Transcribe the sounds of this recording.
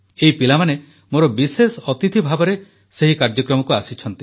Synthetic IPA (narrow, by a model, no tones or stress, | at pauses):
eipilamane | moɾɔbisesɔɔt̪it̪ʰibʱabɔɾe | seɦikaɾd͡ʒɔkɾɔmɔkuasit͡ʃʰɔnt̪i